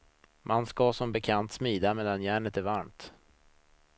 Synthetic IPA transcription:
mʔanskɑsɔmbɛkʰant̪smiːd̪ameːd̪anjæːɳət̪æɾvaɾmt̪

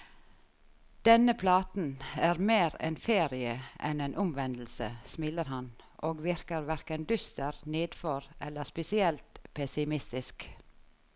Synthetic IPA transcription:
d̪̥ɛnəpʰlɑːt̪n̩æːɾmeːɾɛ̰nfeːɾɪəʔɛ̰neːnʔʊmʋɛnd̪l̩sə̰smɪləɾhɑnʔoːɡʋɪɾkəɾʋæɾkənd̪ʏst̪əɾneːd̪fɔɾʔɛlːəspɛsɪɛlt̪pʰɛsɪmɪst̪ɪsk

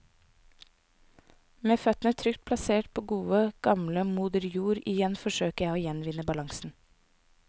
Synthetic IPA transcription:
meːfœt̪n̩ət̪ʰɾʏkt̪̚pʰlɑseːʈpʰoːɡuːəɡ̥ɑmləmuːd̪əɾjuːɾɪjɛnfɔʃøːkəjæɪoːjɛnʋɪnəbɑlɑŋsn̩

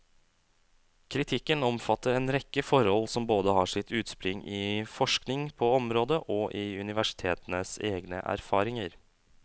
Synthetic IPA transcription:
kʰɾɪt̪ʰɪkːənɔmfɑt̪ːəɾeːnɾɛkːəfɔɾhɔlsɔmboːd̪əɦɑːʂɪt̪ʰʉːt̪spɾʏŋɪfɔʂknɪŋpʰɔɔmɾoːd̪əʔɔʔɪʉnɪʋæʂɪ̥t̪ʰeːt̪ənəseːɡnə̰ʔæ̰ɾfɑːɾɪŋəɾ

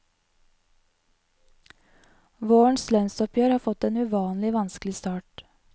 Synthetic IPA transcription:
ʋoːɳslœnst̪ɔpʰjøːɾhɑːfɔt̪eːnʉʋɑːnlɪʋɑnsklɪst̪ɑːʈ

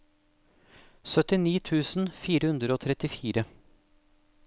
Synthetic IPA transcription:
sœt̪ɪniːt̪ʰʉːsn̩fiːɾəhʉnd̪ɾəoːt̪ʰɾɛt̪ɪfiːɾə

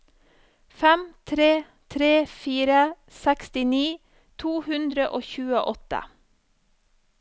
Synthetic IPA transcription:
fɛmt̪ʰɾeː | t̪ʰɾeːfiːɾə | sɛkst̪ɪniː | t̪ʰuːhʉnd̪ɾəʔoːçʉːəʔɔt̪ə̰

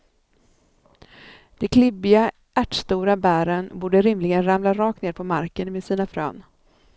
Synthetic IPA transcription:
d̪̥ɛkʰlɪbɪɡa | æʈst̪uːɾabæːɾənbuːɖəɾɪmlɪɡənɾamlaɾɑːk̚t̪neːɾpʰɔmaɾkənmeːd̪siːnafɾø̰ːn

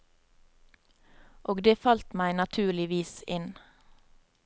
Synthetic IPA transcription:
ʔoːɡd̪eːfɑlt̪mæɪnɑt̪ʰʉːɭɪʋiːsɪn

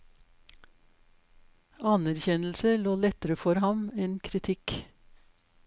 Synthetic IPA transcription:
ɑnæɾçɛnl̩səloːlɛt̪əɾəfɔɾhɑmeːnkʰɾɪt̪ʰɪk

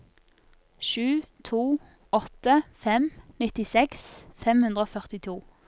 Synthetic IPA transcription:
ʃʉːt̪ʰuː | ɔt̪əfɛmnɪt̪ɪsɛksfɛmhʉnʁəoːfœʁt̪ɪt̪ʰuː

